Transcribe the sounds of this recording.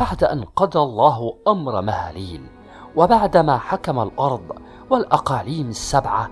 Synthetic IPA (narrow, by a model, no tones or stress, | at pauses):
b̥aʕd̪aʔanqɑd̪alˤːɑːɦʔamɾˤmahaːliːl | wabaʕd̪amaːħakamalʔɑɾˤd̪ˤ | walʔɑqɑːliːmasːabʕa